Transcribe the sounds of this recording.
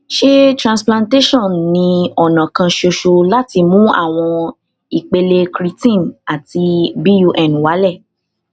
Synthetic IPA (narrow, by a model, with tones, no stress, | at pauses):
ʃe˦tɾã˨splã˧nte˦ʃɔ̃˦˨nnĩ˧ɔ˨nã˨kã˧ʃo˧ʃo˧la˦ti˧mũ˦a̰˦˨w̃ɔ̃˧ | i˨k͡pe˧le˧kɾi˧tĩ˦˨na˨ti˧bi˦ju˧ʔɛ˨n˨wa˨˦lɛ˦˨